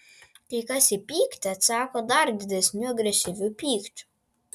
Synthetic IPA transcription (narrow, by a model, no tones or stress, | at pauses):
t̪ʲiːkasʲipʲiːkt̪ʲat̪saːkɔd̪aɾd̪ʲid̪ʲɛsʲnʲuɔɡɾʲɛʃʲivʲupʲiːkt͡ʃ̪ʲu̥